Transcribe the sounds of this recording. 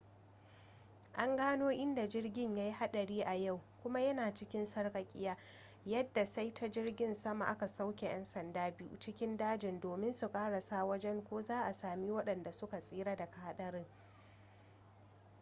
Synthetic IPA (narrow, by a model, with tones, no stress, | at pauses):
ʔa˦ŋɡaː˦noː˦ʔɪ˦nda˨d͡ʒɪ˦rɡʲɪ˦˨ɲja˦jha˦ɗɐ˨ɽiː˦ʔa˨ja˦˨wkʷʊ˦ma˦jɐ˦naː˨t͡ʃɪ˦kʲɪ˦nsɐ˦rkʼɐ˨kʲʼɪ̰˦jaː˦ | jɐ˦dːa˨sa˦jtʰa˦d͡ʒɪ˦rɡʲɪ˦˨nsɐ˦ma˨ʔa˦ka˨sa˦wkʲe˨j̰ɛ˦nsɐ˨ndaː˦bɪ˦jṵ˨t͡ʃɪ˦kʲɪ˦ndaː˦d͡ʒɪ˨ndoː˨mɪ˦nsu˨kʼaː˦ɽa˨saː˦wɐ˦d͡ʒɛ˦ŋkʷoː˦zaː˦ʔa˨saː˨mi˦wɐ˦ɗɐ˨nda˨sʊ˦ka˨sʼiː˦ɾa˦da˨ka˨ha˦ɗɐ˦ɾɪ˦ŋ